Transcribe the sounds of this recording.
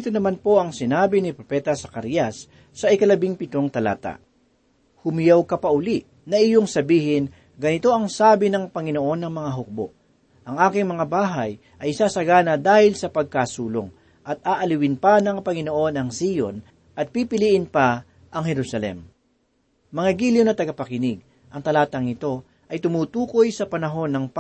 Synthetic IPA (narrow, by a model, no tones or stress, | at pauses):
t̪onɐmanpo̞ʔɐŋsɪnaːbɪnɪpɾopɛt̪ɐsɐkaɾjasː | ɐʔɪkɐlɐbɪŋpɪt̪oŋt̪ɐla̰ːt̪a̰ʔ | hʊmɪjawkɐpɐʔʊliʔ | nɐʔɪjoŋsɐbiːhɪn | ɡɐnɪt̪o̞ʔɐŋsaːbɪnɐŋpɐŋɪnoʔo̞nːɐŋmɐŋaɦʊk̚bo̰ʔ | ʔɐŋʔaːkɪŋmɐŋabaːɦɐj | ʔɐjsaːsɐɡaːnɐd̪aːhɪlsɐpɐɡ̚kasuːlo̰ŋ | ʔɐt̪̚aːʔɐlɪwɪnpanɐŋpɐŋɪno̞ʔo̞nɐŋsiːjo̰n | ʔɐt̪̚pipɪliːʔɪnpɐ | ʔɐŋhɛɾusɐlɛ̰m | mɐŋaɡiːljonɐt̪ɐɡɐpɐkɪnɪɡ̚ | ʔɐŋt̪ɐlaːt̪ɐŋnɪt̪o̞ | ʔɐjt̪ʊmuːt̪uːko̞jsɐpɐnɐɦo̞nːɐŋp